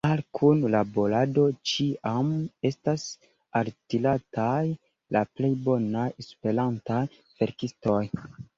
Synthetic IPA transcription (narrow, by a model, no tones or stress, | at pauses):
alkʰunlabo̞ɾado̞t͡ʃiame̞stas | altilataj | laple̞jbo̞najespeɾantaj | v̥e̞ɾkisto̞j